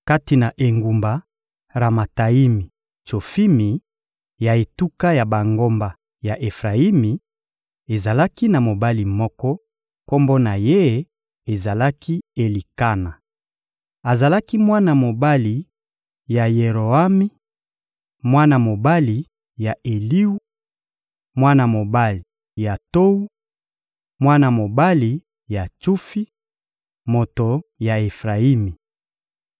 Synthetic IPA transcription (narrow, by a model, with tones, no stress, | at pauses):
ka˦ti˨na˨ʔe˨ŋɡu˨mba˨ | ʁa˨ma˨ta˨i˦mi˨ | t͡ʃo˨fi˦mi˨ | ja˨e˨tu˦ka˦ja˨ba˨ŋɡo˦mba˨ | ja˨ʔe˨fʁa˨i˦mi˨ | e˨za˨la˦ki˦na˨mo˨ba˦li˨mɔ˦kɔ˦ | ko˦mbo˦na˨je˦ | e˨za˨la˦kʰi˦e˨li˨ka˦na˨ | a˨za˨la˦ki˦mwa˦na˨mo˨ba˦li˨ | ja˨je˨ʁo˨a˦mi˦ | mwa˦na˨mo˨ba˦li˨ | ja˨e˨li˦u˦ | mwa˦na˨mo˨ba˦li˨ | ja˨to˦u˦ | mwa˦na˨mo˨ba˦li˨ | ja˨tu˦fi˦ | mo˨to˨ja˨e˨fʁa˨i˦mi˨